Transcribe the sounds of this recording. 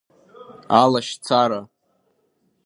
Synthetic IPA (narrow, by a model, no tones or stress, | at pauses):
alaʃt͡sʰaɾa